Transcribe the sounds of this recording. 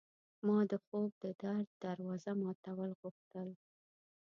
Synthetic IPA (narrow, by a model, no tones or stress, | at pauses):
mɑd̪əxob̚d̪əd̪aɾd̪̚d̪aɾwɑzamɑt̪awəlɣuxt̪əl